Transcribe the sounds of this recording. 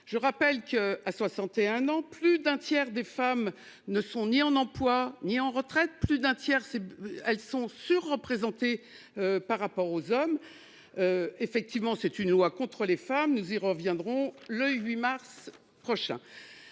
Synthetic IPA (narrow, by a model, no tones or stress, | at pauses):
ʒ̥əʁapɛlkəaswasɑ̃t̪eɛ̃nɑ̃plyd̪ɛ̃t̪jɛʁd̪efam | nəsɔ̃niɑ̃nɑ̃plwaniɑ̃ʁət̪χɛt̪̚plyd̪ɛ̃t̪jɛʁsɛɛlsɔ̃syʁːəpχezɑ̃t̪e | øpaʁːapɔʁozɔm | øefɛk̚t̪ivmɑ̃sɛt̪ynlwakɔ̃t̪χəlefamnuziʁəvjɛ̃d̪ʁɔ̃ləɥimaʁs | pχɔʃɛ̰̃